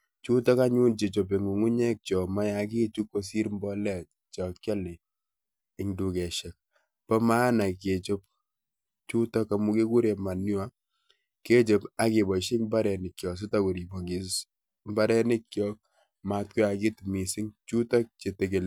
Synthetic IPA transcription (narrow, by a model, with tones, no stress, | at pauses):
t͡ʃu˦tɔ˦ka˦ɲu˦nt͡ʃe˨t͡ʃo˨p̬e˨ŋu˨ŋu˦ɲɛ˦k̚t͡ʃɔ˨ma˦ja˨˦ki˦t͡ʃu˦kːo˨s̬i˦ɾmbɔ˦lɛ˨ | t͡ʃɔ˨kt͡ʃa˦li˨ | ɪ˨ŋdu˨kɛ˨ʃɛ˨k̚ | pɔ˦ma˦na˨ke˨t͡ʃo˦p̚ | t͡ʃu˦tɔ˦ka˨mu˦ke˦ku˦ɾe˨ma˨nʊ˦wa˦ | ke˦t͡ʃe˨pa˦ke˨bɔ˨ʃi˦kmba˦ɾɛ˨nɪ˨kjɔ˨s̬u˦ta˦ku˨ɾi˨bo˨ɡi˨s | mba˦ɾɛ˦nɪ˦kːjɔ˦k̚ | ma˨t̚ku˦a˨ki˦tmi˨sɪ˦ŋt͡ʃu˦tɔ˦k̚t͡ʃe˨te˨ke˨l